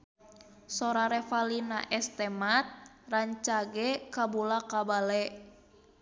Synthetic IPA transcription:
sɔɾaɾɛfalinaʔɛst̪ɛmat̪̚ | raɲt͡ʃaɡɛkabulakabalɛʔ

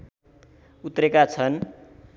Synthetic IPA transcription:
ut̪rekat͡sʰʌn

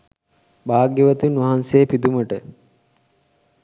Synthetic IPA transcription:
baːɡjeʋət̪unʋɐɦansejpid̪uməʈə

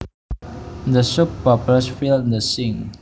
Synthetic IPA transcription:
dəsupːɔpəsfildəsĩŋ

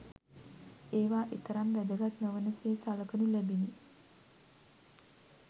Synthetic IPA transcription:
eːʋaːʔit̪əɾamʋæd̪əɡat̪nəʋənəseːsaləkənulæbini

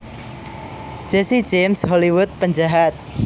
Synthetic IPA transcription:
d͡ʒ̥ɛsi̥d͡ʒemshɔliwʊt̪̚pəɲd͡ʒaɦat̪̚

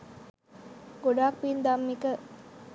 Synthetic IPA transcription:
ɡoɖaːk̚pind̪amːikə

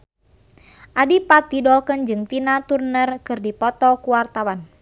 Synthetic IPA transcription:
ʔadipat̪idɔlkənd͡ʒɨŋt̪inat̪urnərkɨrdipɔt̪ɔkuwart̪awan

